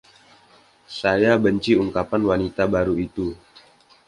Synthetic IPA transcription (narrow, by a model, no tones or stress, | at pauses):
sajabəɲt͡ʃiuŋkapanwanit̪abaɾuit̪u